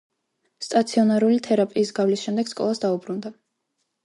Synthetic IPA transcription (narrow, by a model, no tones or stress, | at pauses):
st̪ʼat̪sʰiɔnaɾulit̪ʰɛɾapʼiːsɡavlisʃɛmd̪ɛɡ̥skʼɔ̰lˠasd̪aubɾund̪a